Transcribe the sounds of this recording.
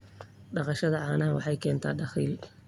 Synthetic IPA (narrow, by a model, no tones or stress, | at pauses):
ɖɑqɑʃɐðɐʕɑːnɐɦɐwɑ̰ħɑjkʰɛːnt̪ʰa̰ːɖɑχiːl